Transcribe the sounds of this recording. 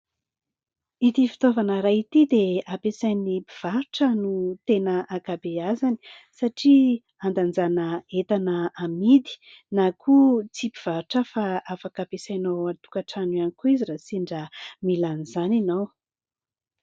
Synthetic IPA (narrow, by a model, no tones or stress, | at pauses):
it̪ifi̥t̪ovanəɾait̪id̪eapesajnipiv̥aɾuʈ͡ʂənut̪enəʔaɡabeazani̥ | saʈ͡ʂi | and̪and͡zanəet̪anəamid̪i̥ | nakʰut͡sipiv̥aɾuʈ͡ʂəfaafakapesajnoanit̪u̥kaʈ͡ʂanuanikuizirasiɳɖ͡ʐəmilanizaninaw